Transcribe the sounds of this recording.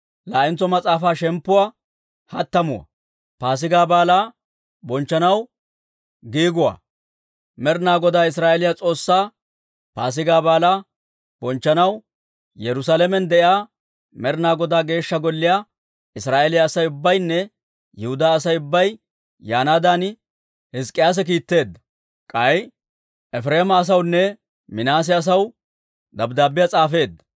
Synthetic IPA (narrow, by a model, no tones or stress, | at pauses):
laːʔɪnt͡sːɔmɐt͡sʼaːfaːʃɛmpːʊwa | hɐt̪ːɐmʊwɐ̰ | paːs̬ɪɡaːbaːlaː | bɔnt͡ʃːɐnɐw | ɡiːɡʊwa̰ː | mɛɾnaːɡɔd̪aːɪs̬ɾaːʔɛlɪjat͡sʼo̞ːsːaː | paːs̬ɪɡaːbaːlaː | bɔnt͡ʃːɐnɐw | jɛɾʊs̬aːlɛmɛnd̪ɛʔjaː | mɛɾnaːɡɔd̪aːɡe̞ːʃːɐɡɔlːɪja | ɪsɾaːʔɛlɪjaːsɐjʊbːɐjnːɛ | jɪhʊd̪aːsɐjʊbːɐj | jaːnaːd̪aːn | hɪskʼːɪjaːs̬ɛk̬iːt̪ːe̞ːd̪ːɐ̥ | kʼɐj | ɛfɾeːmɐːs̬ɐwnːɛ | mɪnaːs̬ɪɐs̬ɐw | d̪ɐbd̪aːbɪjat͡sʼaːfe̞ːd̪ːɐ̥